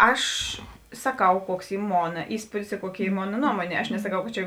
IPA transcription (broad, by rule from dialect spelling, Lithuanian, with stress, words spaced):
ˈɐʃ sɐˈkɐʊ ˈkuɔks ˈiː ˈmoːnɐ ˈiːspuːdʲɪs ɪ ˈkuɔˌkʲɪ ˈiː ˈmoːnɐ ˈnuɔmoːnʲeː ɐʃ nʲɛsɐˈkɐʊ kɐt ˈt͡ʃʲɛ